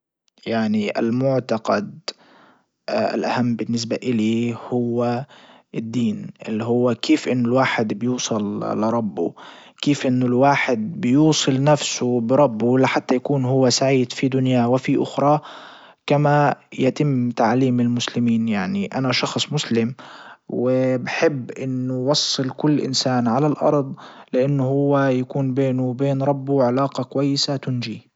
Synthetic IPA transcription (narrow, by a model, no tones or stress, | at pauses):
jaʕniʔɪ̰lmʊʕt̪ɑqɑd̪ | ɪ̰lʔahamːbɪnːɪs̬baʔɪliːhʊwːa | ʔɪd̪ːiːnʔɪlːiɦʊwːakʰeːfʔɪnːʊlwaːħɪd̪bɪjuːsˤɑlːɪɾˤɑbːʊ̰ | keːfʔɪnːʊlwaːħɪd̪̚bɪjuːsˤɨlnafsʊbɪɾˤɑbːʊlaħat̪ːajakuːnɦʊwːasaʕiːd̪fid̪ʊnjawɪfiʔʊxɾˤɑ | kamajat̪ɪmːt̪aʕliːmɪlmʊslɪmiːnjaʕniʔanaʃɑxsˤmʊslɪmwɪbɪħɪbːʔɪnːʊwɑsˤːɨlkʊlːʔɪ̰nsaːnʕalalʔɑ̰ɾˤd̪ˤlɪʔanːʊhʊwːajakuːnbeːnʊwbeːnɾˤɑbːuʕalaːqɑkʊwajːɪsat̪ʊnd͡ʒi